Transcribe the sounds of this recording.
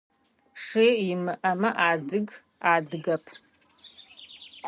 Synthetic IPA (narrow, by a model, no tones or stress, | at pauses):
ʂeːjɪmɨʔɐmɐʔaːdɨɡ | aːdɨɡɐpʰ